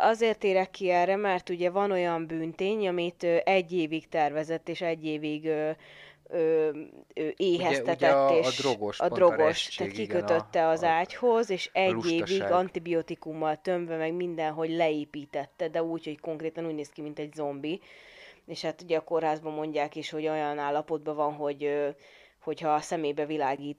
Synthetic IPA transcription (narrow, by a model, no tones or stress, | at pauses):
ʔɒzeːrt̪eːɾɛkːiɛrɛmɛrt̪uɟɛvɒno̞jɒmbyːnt̪eːɲɒmit̪øːʔɛɟːeːvikt̪ɛrvɛzɛt̪ːeːʃɛɟːeːviɡøː | øːøːʔeːɦɛsɛt̪ɛt̪ːeːɾoɡoʃɒd̪ro̞ɡo̞ʃt̪ːaːt̪kikøøt̪ːɛɒzaːcho̞zeːʃɛɟːeːviɡɒnt̪ibiot̪ikumːɒlt̪ø̞ɱvɛmɛɡmind̪ɛnɦo̞ɟlɛeːpiːt̪ɛt̪ːɛd̪ɛuːcho̞cko̞ŋkɾeːt̪ɒnuːɟneːskimint̪ɛɟzo̞mbi | eːʃhaːt̪uɟɛːko̞rɦaːzbɒmo̞ɲɟaːkiːʃho̞ɟojɒnaːlːɒpo̞d̪̚bɒvɒnɦo̞ɟø | ho̞chɒsɛmeːbɛvilaːɡiːt̪